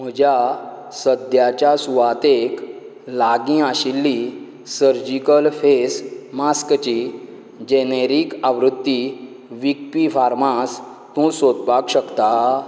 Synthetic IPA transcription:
m̤əd͡ʑja | səd̪jat͡ɕjasuʋat̪ek | laɡĩaɕilːi | səɾd͡ʑikəlfesmaskt͡ɕi | d͡ʑeneɾikaʋɾut̪ːi | ʋik̚pifaɾmas | t̪ũsod̪bakɕəkt̪a

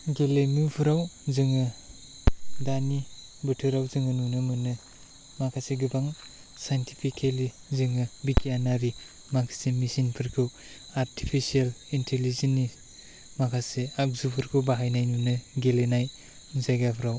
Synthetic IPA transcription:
ɡelemupʰɯɾawzɯŋɯ | dani | bɯtʰɯɾawzɯŋɯnunɯmɯnɯ | makʰaseɡɯbaŋ | sajntʰipʰikʰeli | zɯŋɯbikʰijanaɾi | makʰasemisinpʰɯɾkʰɯw | aɾtʰi̥pʰisialintʰelizenːi | makʰaseak̚zupʰɯɾkʰɯwbaɦajnajnunɯɡelenaj | zajɡapʰɯɾaw

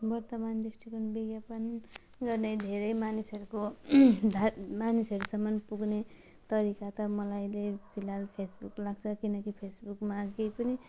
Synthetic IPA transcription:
bʌrt̪ʌmandisʈikʰʌnbiɡjapʌn | ɡʌrnejd̪ʱeɾʌjmanisʌɾukod̪ʱamanisʌɾusʌmːʌnpuɡne | t̪ʌɾikat̪ʌmʌlajlepʰilalpʰesbuklaɡt͡sʰʌkinʌkipʰesbukmakejpʌni

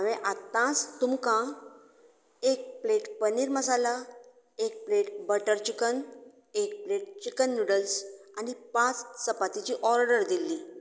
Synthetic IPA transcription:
əʋẽʔat̪ːãt͡st̪umkã | ek̚pleʈpəniːɾməs̬ala | ek̚pleʈbəʈəɾt͡ɕikən | ek̚pleʈ̚t͡ɕikənːuɽəlsanipãt͡ssəpat̪it͡ɕiʔɔɾɽəɾd̪ilːi

